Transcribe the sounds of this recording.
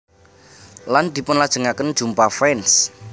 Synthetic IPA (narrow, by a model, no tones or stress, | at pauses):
land̪̥i̤pʊnlad̥ʒ̥ə̤ŋakənd̥ʒ̥ṳmpafɾɛns